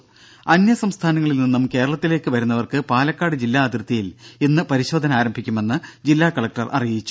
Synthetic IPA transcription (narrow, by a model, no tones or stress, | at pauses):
ɐnjɐsɐmst̪ʰaːnɐŋːɐɭilninːumke̞ːɾɐɭɐt̪ːile̞ːkːɨʋɐɾunːɐʋɐrkɨpaːlɐkːaːɽɨd͡ʑilːaːd̪rt̪ːijilenːɨpɐɾiɕo̞ːd̪ʱɐnaːɾɐmbʱikʲːume̞nːɨd͡ʑilːaːkɐɭɐk̚ʈɐrʔɐ̰rijit͡ɕːu̥